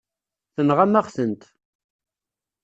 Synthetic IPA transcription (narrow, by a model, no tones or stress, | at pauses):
θənʁamæʁθənt̪